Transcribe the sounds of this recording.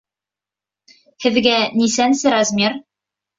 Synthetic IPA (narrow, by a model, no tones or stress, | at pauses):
hɘ̆ðɡænisænsɘɾazmʲir